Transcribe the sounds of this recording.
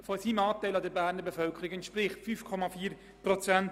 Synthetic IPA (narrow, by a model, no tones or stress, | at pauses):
fosiːmɑːtaɪlɑdɛɾbæːɾnəɾbɛfœlkʰəɾɪkɛntʃpɾɪχtfyfkʰɔmafiːɾ | pʁɔt͡sɛnt